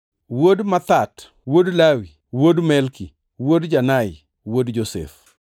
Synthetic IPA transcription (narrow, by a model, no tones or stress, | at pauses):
wodmat̪at | wodlawi | wodmɛlki | wodd͡ʒanajɪ | wodd͡ʒosḛf